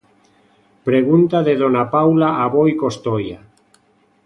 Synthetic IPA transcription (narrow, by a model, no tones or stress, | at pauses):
pɾeɣunt̪aðeðonapawlaʔaβojkost̪oja